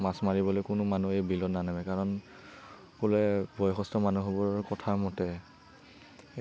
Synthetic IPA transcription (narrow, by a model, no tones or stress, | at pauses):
masmaɹibɔlojkʊnʊmanuejbilɔtnanamɛkaɹɔn | kulɛbɔjxɔstɔmanuɦobɔɹkɔtʰamɔtɛ